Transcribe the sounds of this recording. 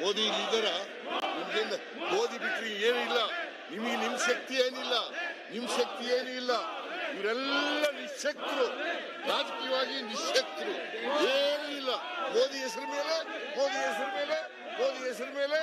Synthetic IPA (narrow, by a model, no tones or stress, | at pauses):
moːd̪iɾiːd̪ɐɾɐ | nimɐɡend̪ɐ | ɡoːd̪ibikɾieːnuilːɐ | nimɐɡenimːɐʃɐk̚t̪ieːnilːɐnimːɐʃɐk̚t̪ieːnuilːɐiʋɾɛlːɐniʃɐkt̪ɾu | ɾaːd͡ʒɐkijɐʋaːɡiniʃɐkt̪ɾu | eːnuilːɐ | moːd̪iɛsɐɾɐme̞ːle | moːd̪iɛsɐɾme̞ːle | moːd̪iɛs̬ɐɾɐme̞ːle